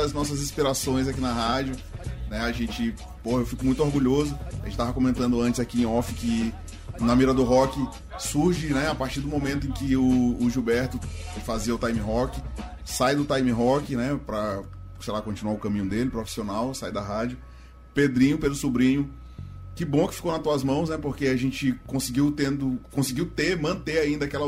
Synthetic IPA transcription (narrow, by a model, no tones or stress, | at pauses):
ɐznɔsɐzĩspiɾasõj̃zakinɐɦad͡ʒjʊnɛaʒẽt͡ʃɪ | pohɐewfikʊmũj̃t̪ʊoɾɡuʎozʊʒẽt͡ʃɪt̪avɐkomẽnt̪ɐ̃nd̪ʊɐ̃t͡ʃɪzakiẽɔfɪkɪ | nɐmiɾɐd̪ʊɦɔkɪ | suɾʒɪnɛapaɾt͡ʃiɾd̪ʊmõmẽnt̪ʊẽkɪʊːʒubɛɾt̪ʊfaziɐʊt̪ajmiɦɔkɪ | sajd̪ʊt̪ajmĩɦɔkɪnɛpɾɐ | sejlakõt͡ʃĩnuaʊkɐ̃mĩɲ̃ʊd̪elɪpɾofi̥sionawsajd̪ɐɦad͡ʒʊ | ped̪ɾĩɲʊpelʊsubɾĩɲʊ | kɪbõkɪ̥fi̥kownɐt̪uɐzmɐ̃w̃snɛpoɾkeaʒẽt͡ʃɪkõsɪɡiwt̪ẽnd̪ʊkõsɪɡiwt̪emɐ̃nt̪eaĩnd̪ɐakɛlɐ